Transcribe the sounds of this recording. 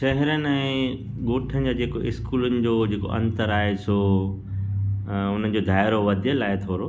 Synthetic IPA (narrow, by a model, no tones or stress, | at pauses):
ʃɐɦɪɾənɪ̆ɛ̃ː | ɠoːʈʰənɪ̆d͡ʑad͡ʑeːkoɪskuːlʊnɪ̆d͡ʑoːd͡ʑeːko̰ʔɐ̰̃nt̪əɾaːɦesʰo | ʊn̤ən̆d͡ʑod̪ʱaːɪɾoʋɐd̪ʱijəlaːɪt̪ʰoːɾo